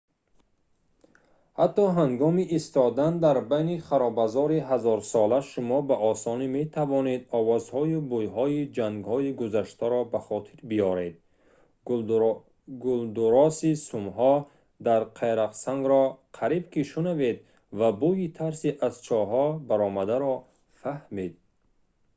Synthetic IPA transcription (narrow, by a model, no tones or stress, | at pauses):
hat̪ːɔɦaŋɡɔmiʔːst̪ɔd̪and̪aɾbajniχaɾɔbazɔɾiɦazɔɾsɔlaʃumɔbaʔɔsɔnime̞t̪ʰavɔne̞d̪ɔvɔzhɔubujɦɔid͡ʒaŋɡhɔiɡuzaʃt̪aɾɔbaχɔt̪ʰiɾbiɔɾe̞d̪̚ | ɡuld̪uɾɔsisumɦɔ | d̪aɾqʰeɾaqsaŋɡɾɔqʰaɾibkiʃunave̞d̪ | vabujit̪ʰaɾsiʔaz̥t͡ʃʰɔɦɔbaɾɔmad̪aɾɔ | fahmed̪̚